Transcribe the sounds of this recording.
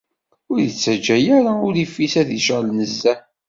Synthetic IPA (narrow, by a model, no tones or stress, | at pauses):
ʊɾjət͡sːæd͡ʒːæjæɾaʊɾifːisæðiʃʁəlnəzːæ